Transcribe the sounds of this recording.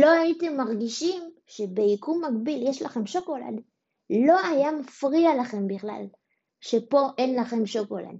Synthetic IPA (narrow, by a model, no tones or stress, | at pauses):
lo̞aite̞mːaʁɡiʃim | ʃe̞be̞ikumːaɡbiljeʃlaχe̞mʃoko̞la̰d | lo̞ajamafʁialaχe̞mbiχla̰l | ʃe̞po̞ʔe̞nlaχe̞mʃoko̞la̰d